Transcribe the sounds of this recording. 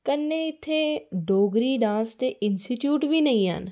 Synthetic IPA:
kənːeːɪt̪ʰːeːɖoːɡɾiːɖãːst̪eːʔɪnsʈiːʈjuːʈʋiːnəĩːɦə̰n

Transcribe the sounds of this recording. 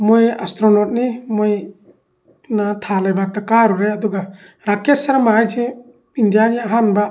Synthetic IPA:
mɔja̰st̪ɾɔnɔt̪̚nimɔj | nat̪ʰalajbak̚t̪akaɾuɾɛjad̪ɔɡa | ɾakɛsaɾamajd͡ʒɛ | ind̪ijaniaaɦanba

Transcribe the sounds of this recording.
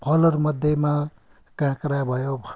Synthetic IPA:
pʰʌlʌɾmʌd̪ʱjʌma | kãkɾabʱʌjob

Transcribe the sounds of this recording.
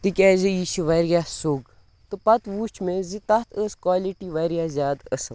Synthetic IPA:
t̪ikʲɛːziiːʃiʋɐɾjaːsoːɡ | t̪ɨpɐt̪ʋuːt͡ʃʰmezit̪ɐt̪ʰəːskwaːliʈiʋɐɾjaːzʲjaːd̪əs

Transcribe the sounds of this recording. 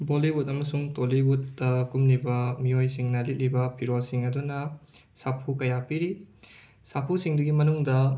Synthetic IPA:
boliwutɐmɐsuŋtolibutːɐkumnibɐmiojsiŋnɐlit̚libɐpʰiɾolsiŋɐdunɐ | sapʰukɐjapiɾi | sapʰusiŋdɐɡimɐnuŋdɐ

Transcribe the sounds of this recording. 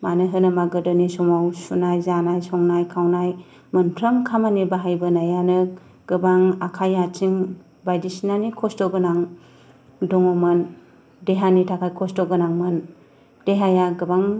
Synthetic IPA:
manɯɦɯnɯmaɡɯdɯnisɔmawsunajzanajsɔŋnajkʰawnaj | mɯnpʰɾəmkʰamanibaɦajbɯnajanɯ | ɡ̥ɯbaŋakʰajat͡ʃʰiŋ | bajdisnanikʰɔstɔɡɯnaŋ | dɔŋɔmɯn | deɦanitʰakʰajkʰɔstɔɡɯnaŋmɯn | d̥eɦajaɡɯbaŋ

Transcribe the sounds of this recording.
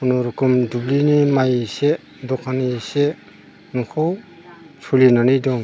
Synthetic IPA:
unɔɾukumdublinimajse | dɔkʰanise | nukʰɔw | sʰulinanidɔŋ

